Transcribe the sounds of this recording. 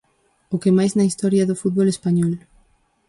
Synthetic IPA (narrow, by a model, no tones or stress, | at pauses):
ʊkemajznɐist̪ɔɾjɐðʊfut̪̚βolespaɲɔl